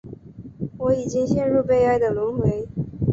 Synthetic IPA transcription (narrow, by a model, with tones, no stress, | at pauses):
wɔ˧˥i˨˩t͡ɕi˥ŋɕjɛ˥˧nɻu˥˧pe˥˧ɪa˥˩ɪd̪ə˨lʊ˧˥ŋxwe˧˥ɪ